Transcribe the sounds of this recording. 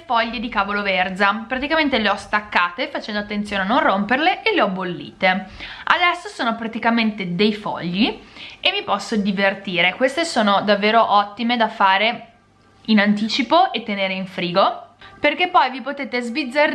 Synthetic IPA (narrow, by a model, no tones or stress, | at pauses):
fɔʎːed̪ikaːvolovɛrzapɾat̪ikament̪eleɔst̪akːaːt̪efat͡ʃɛnd̪oat̪ːent̪sjoːneanːõnromperleʔeleɔbolːḭːt̪ea̰d̪ɛsːosoːnopɾat̪ikament̪ed̪ejfɔ̰ʎːiemːipɔsːod̪ivert̪iːɾekwest̪esoːnod̪avːeːɾoʔɔt̪ːimed̪afaːɾe | inant̪̬iːt͡ʃipoʔet̪ːeneːɾeiɱfɾiːɡoperk̟epːɔjvipot̪eːt̪ezvid̪zːar